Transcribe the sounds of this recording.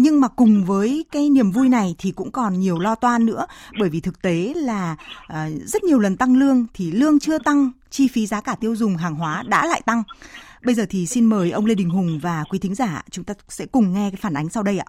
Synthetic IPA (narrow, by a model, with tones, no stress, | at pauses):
ɲɨ˧ŋmaː˨˩kʊ˨˩ŋ͡mvəː˨˦jkaː˨˦jni˨˩əmvu˧jna˨˩jt̪ʰi˨˩kʊ̰˧˥ŋ͡mkɔ˨˩nɲi˨˩əwlɔ˧t̪waː˧nːɨ̰˧˥əɓəː˧˩jvi˨˩t̪ʰɨ˨˩k̚t̪e˨˦laː˨˩˨ | zə˦˥t̚ɲi˨˩əwlə˨˩nt̪a˧ŋlɨ˧əŋt̪ʰi˨˩lɨ˧əŋt͡ɕɨ˧ət̪a˧ŋ | t͡ɕi˧fi˨˦zaː˨˦kaː˧˩t̪i˧əwzʊ˨˩ŋ͡mɦaː˨˩ŋɦwaː˨˦ɗa̰ː˧˥la̰ː˧˨jt̪a˧ŋɓə˧jzəː˨˩t̪ʰi˨˩si˧nməː˨˩jʔə˧wŋ͡mle˧ɗï˨˩ŋ̟ɦʊ˨˩ŋ͡mvaː˨˩kwi˨˦t̪ʰi˨˦ŋ̟za̰ː˧˩˧t͡ɕʊ˨˦ŋ͡mt̪aː˧sɛ̰˧˥kʊ˨˩ŋ͡mŋɛ˧kaː˨˦jfaː˧˩nʔa˨˦jŋ̟sa˧wɗə˧jʔa̰ː˧˨